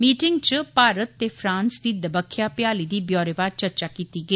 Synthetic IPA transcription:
miːʈɪŋɡt͡ʃpaːɾət̪ːeːpʰɾãːnsd̪iːd̪əbəkʰːjaːpjaːliːd̪iːbjɔːɾeʋaːɾt͡ʃəɾt͡ʃaːkiːt̪iːɡəiː

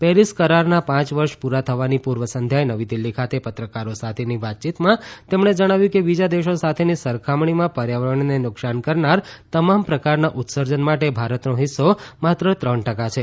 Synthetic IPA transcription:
pɛɾiskəɾaɾnapãt͡ʃʋəɾʃpuɾat̪ʰəʋanipuɾʋəsənd̪ʱjajnəʋid̪ilːikʰat̪epət̪ɾəkaɾosat̪ʰeniʋat̪̚t͡ʃit̪mãt̪emɳ̃ed͡ʒəɽ̃aʋjũkebid͡ʒad̪eʃosat̪ʰenisəɾkʰamɳimãpəɾjaʋəɳnenʊksankəɾnaɾt̪əmampɾəkaɾnaʔut̪səɾd͡ʒənmaʈebʱaɾət̪noɦɪsːomat̪ɾət̪ɾəɳʈəkat͡ʃʰe

